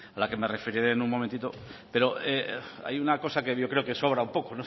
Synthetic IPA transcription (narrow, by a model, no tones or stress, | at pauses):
alake̞me̞re̞feɾiɾenuŋmõment̪it̪o̞pe̞ɾo̞ea̰junako̞sakeʝo̞kɾe̞oke̞so̞β̞ɾaumpo̞kono